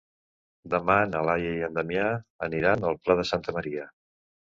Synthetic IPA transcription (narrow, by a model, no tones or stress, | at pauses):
d̪əmanəlajəjənd̪əmjaəniɾanəlˠplað̞əsant̪əməɾiə